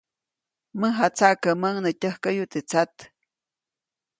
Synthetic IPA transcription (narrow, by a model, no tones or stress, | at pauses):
məɦat͡saʔkəməŋnət̪ʲəhkəjut̪et͡sat̪